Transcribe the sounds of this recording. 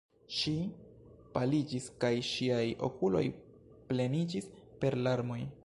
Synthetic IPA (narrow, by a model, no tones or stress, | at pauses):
ʃi | palid͡ʒiskajʃiajo̞̰kulo̞̰j | ple̞nid͡ʒispe̞ɾlaɾmo̞j